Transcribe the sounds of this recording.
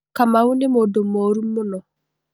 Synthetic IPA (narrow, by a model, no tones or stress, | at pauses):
kamawunemodomːoɾumːonɔ